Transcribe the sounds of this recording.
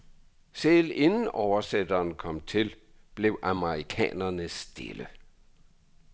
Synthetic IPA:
sele̝nn̩ɒʊɐsed̥ɐːnkʰɒ̽m̰t͡sʰe̝lb̥le̝ʊʔɑməʁikʰɛ̰ːnɐnəsd̥ḛlə

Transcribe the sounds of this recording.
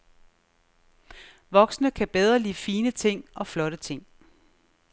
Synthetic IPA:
ʋɒ̽ɡ̥snəkʰæb̥eð̞ˠʁɐliːfiːnət͡sʰe̝ŋ̰ɒ̽flɒ̽ɾət͡sʰe̝ŋ̰

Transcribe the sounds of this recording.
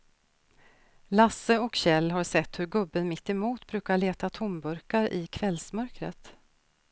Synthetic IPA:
lasːəɔkɕɛlːɦaɾsɛt̪ːhɵɾɡɵbːənmɪt̪ːɛmuːt̪bɾʉ̟ːkaɭeːt̪at̪ʰʊmbɵɾkaɾʔɪkʰvɛlsmœɾkɾə̰t̪

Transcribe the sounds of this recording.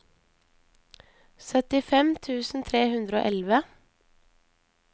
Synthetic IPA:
sœt̪ɪfɛmt̪ʰʉːsn̩t̪ʰɾeːhʉnd̪ɾəo̰ːʔɛlʋə

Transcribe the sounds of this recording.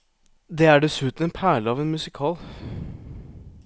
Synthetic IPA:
d̪ɛæɖɛsʉːt̪n̩ɛnpʰæːɭəɑːʋɛnmʉsɪkʰɑːl

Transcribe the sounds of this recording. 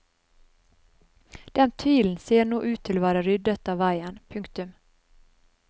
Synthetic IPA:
d̪̥ɛnt̪ʰiːln̩seːɳuːʔʉːt̪ʰːɪloːvæːɾaɾʏd̪ət̪ɑːʋvæjənpʰɵŋkt̪ɵm

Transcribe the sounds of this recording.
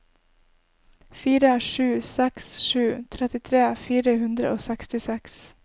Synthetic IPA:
fiːɾəʂʉːsɛksʃʉːt̪ʰɾɛt̪ɪt̪ʰɾeːfiːɾəhʉnd̪ɾə̰ʔoːsɛkst̪ɪsɛks

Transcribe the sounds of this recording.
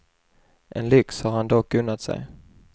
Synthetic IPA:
ʔɛnlʏkshɑɾhand̪ɔkːɵnːat̪sɛ̰j

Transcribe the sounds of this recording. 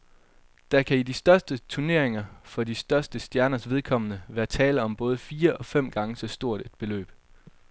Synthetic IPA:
d̥æ̈kʰæidisd̥ɶɐsd̥ət͡sʰuɐne̝ɐ̰e̝ŋɐfɒ̽d̥isd̥ɶɐsd̥əsd̥jæɐnɐsʋe̝ð̞ˠkʰɒ̽m̰ənəʋæːɐt͡sʰɛːləɒ̽mb̥ɔ̽ːð̞ˠfiːɐʔɒ̽fem̰ɡ̥ɑ̈ŋəsɒ̽sd̥o̝ɐ̰d̥e̝d̥̚b̥e̝lø̰ːb̥

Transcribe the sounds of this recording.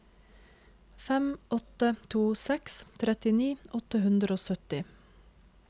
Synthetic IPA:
fɛmɔt̪ət̪ʰuːsɛkst̪ʰɾɛt̪ɪniːʔɔt̪əhʉnd̪ɾəoːsœt̪ɪ

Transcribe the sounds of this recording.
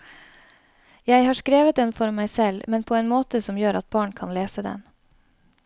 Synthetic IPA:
jæɪhɑːʂkɾeːʋət̪ɛːnfɔɾmæɪsɛlmɛnpʰoːeːnmoːt̪əsɔmjøːɾʔɑt̪̚bɑːɳkʰɑnleːsəd̪ɛ̰n

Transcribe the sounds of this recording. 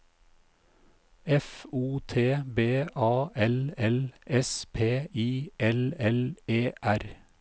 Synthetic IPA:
ɛfuːt̪ʰeːbeːʔɑːʔɛlɛlʔɛspʰeːiːʔɛlɛleːʔæɾ

